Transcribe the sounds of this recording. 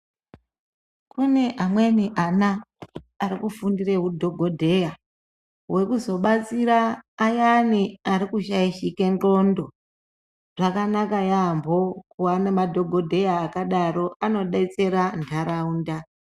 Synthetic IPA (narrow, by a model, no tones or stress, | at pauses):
kune̞ʔamweniʔanaː | ɾikufundire̞ɦudʱo̞ɡʱo̞dʱe̞ja | we̞kuzo̞ɓat͡siɾaːjaniaɾikuʃaiʃike̞nro̞ndo̞ | ʐ̥akanakajambʱo̞kuwanamadʱo̞ɡʱo̞dʱe̞jaːkaɗaɾo̞ʔano̞ɗait͡se̞ɾantʰaɾauːnda